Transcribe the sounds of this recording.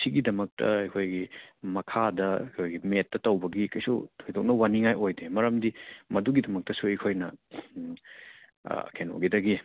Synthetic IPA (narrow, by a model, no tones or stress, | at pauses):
siɡidɐmɐk̚tʰɐ̰ɐjkʰojɡimɐkʰadɐɐkʰojɡimetːɐtɐwbɐɡikɐjsṵojdok̚nɐwaniŋajojdemɐɾɐmdimɐduɡidɐmɐk̚tɐsuɐjkʰojnɐ | kʰeno̰ɡidɐɡi